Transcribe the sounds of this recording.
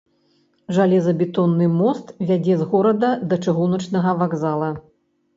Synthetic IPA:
ʐalʲɛzɐbʲɛt̪ɔnːɨmɔst̪vʲad͡zʲɛzɣɔɾɐd̪ɐd̪ɐt͡ʂɨɣunɐt͡ʂnɐɣɐvaɡzalˠɐ

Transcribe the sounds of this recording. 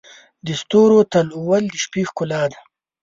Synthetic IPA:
d̪əst̪oːɾot̪aluwald̪əʃpixkʊlɑːd̪a

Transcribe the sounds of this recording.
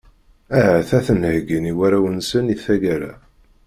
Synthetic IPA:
æɦæθæθənhɡiniwæɾæwənsəniθæʝæɾæ̰

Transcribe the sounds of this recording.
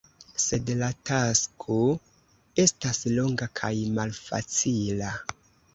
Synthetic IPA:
se̞dlataskʰo | e̞staslo̞ŋɡakʰajmalfa̰t͡sila

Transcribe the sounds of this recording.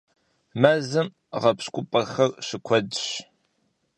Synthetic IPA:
mɐzɨm | ʁɐpɕkʷʼʊpʼɐxɐrɕɨkʷʰɔdɕ

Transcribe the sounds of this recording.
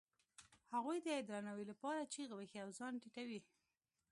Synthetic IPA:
haɣujd̪əɪd̪ɾɑnawilapɑɾat͡ʃiɣwəxiawzɑnʈiʈawi

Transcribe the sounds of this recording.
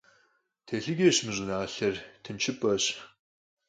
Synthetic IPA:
tʰeːɬɨɡʲeːɕmɨʑʷʼʊnaːɬɐrtʰɨnt͡ʃʰɪpʼɐɕʼ

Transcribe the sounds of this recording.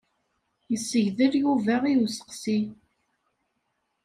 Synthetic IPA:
jəsːəʝðəɾjuvæʁijusə̥qsi

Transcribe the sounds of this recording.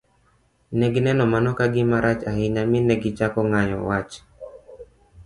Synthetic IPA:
nɛɡnɛnɔmanɔkaɡɪmaɾat͡ʃahɪɲamɪnɛɡɪt͡ʃakɔŋajɔ̰wat͡ʃ

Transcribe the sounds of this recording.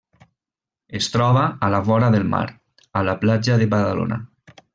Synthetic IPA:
est̪ɾɔβaːlafɔɾaðəlˠma̰ɾ | alaplad͡ʒaðeβaðalo̰na̰

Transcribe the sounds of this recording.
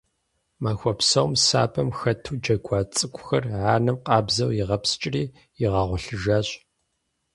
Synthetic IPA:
maːxʷɔpsɐwmsa̰ːbʼɐmxɐtʰuːd͡ʒɐɡʷɑːt͡sʼɨkʷʰʼʊxɐrʕaːnɨmqɑːbzɐwjɪʁɐpsɨ̥t͡ʃʼriː | jɪʁɐʁʷʊɬɨʒaːɕʼ

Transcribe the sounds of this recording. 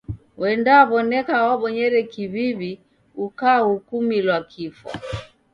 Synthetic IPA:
wɛndaβɔnɛkawaɓɔɲɛɾɛkiβiβi | ukaːhukumilwakʰifa̰

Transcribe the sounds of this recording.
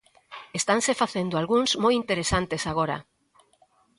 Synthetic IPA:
est̪ansefaθend̪oalɣuŋzmojint̪eɾesant̪esaɣ̞oɾa̰

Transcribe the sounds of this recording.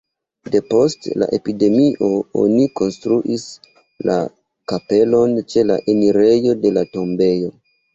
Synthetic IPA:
de̞po̞stla̰ʔe̞pide̞miʔo̞o̰niko̞nstɾuʔis | la̰ | kape̞lo̞nt͡ʃe̞la̰ʔeniɾe̞jo̞de̞lato̞mbe̞jo̞

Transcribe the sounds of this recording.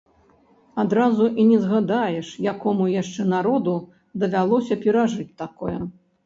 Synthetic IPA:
ad̪ɾazuʔinʲɛzɣad̪ajɛʂjakɔmujaʂt͡ʂɛnaɾɔd̪u | d̪ɐvʲalˠɔsʲɐpʲɛɾaʐɨt͡sʲt̪akɔjɐ

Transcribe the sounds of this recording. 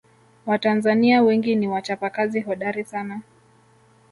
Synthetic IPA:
watanzaniawɛŋɡiniwat͡ʃapakaziɦɔɗaɾisana

